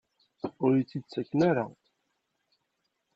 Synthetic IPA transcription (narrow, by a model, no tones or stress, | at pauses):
ʊɾjit͡sːid̪t͡sːækːnaɾa̰